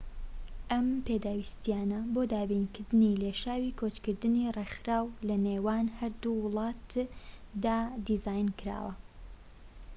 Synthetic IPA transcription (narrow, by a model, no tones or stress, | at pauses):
ʔɐmpʰed̪aːwist̪ijaːnɐboːd̪aːbiːnkʰɨɾd̪ɨnileʃaːwiːkʰot͡ʃkɨɾd̪ɨnirexɾaːwlɐneːwaːnhɐɾd̪uwɨlˠɑːt̪ | d̪aːd̪izaːjnkɨɾa̰ːwɐ̰